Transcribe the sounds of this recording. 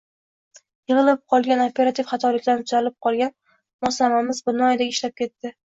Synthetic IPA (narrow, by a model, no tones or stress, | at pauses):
jɨʁɨlˠɪp̚qʰɒlˠɡʲanopʰʲe̞ɾat̪ʰifχɑt̪ʰɒlɪkʲlant̪ʰʊzalɪp̚qʰɒlˠɡʲan | mɒslamamɪzbɪnɒjad̪aɪʃlap̚kʲʰe̞t̪ːɪ